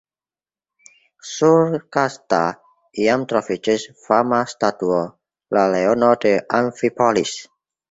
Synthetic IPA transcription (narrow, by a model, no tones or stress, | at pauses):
surkast̪a̰ | iamt̪ɾɔfit͡ʃɪsfamast̪at̪uɔ | laleɔnɔd̥əʔaɱfipɔlis